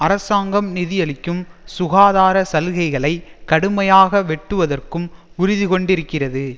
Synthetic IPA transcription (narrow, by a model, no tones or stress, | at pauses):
ɐɾɐsaːŋɡɐmnɪðɪjɐlɪkːɯmsʊɣaːðaːɾɐsɐlɣɐɪɣɐɭɐɪkːɐɽɯmɐjaːɣɐʋɛʈːɯʋɐðɐrkɯm | ʊɾɪðɪkɔɳɖɪɾɯkːɪrɐðɯ